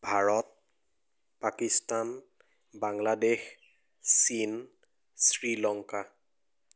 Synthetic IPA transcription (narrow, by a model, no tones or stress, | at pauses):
bʱaɹɔt̚ | pakistan | baŋladex | sin | sɹilɔŋka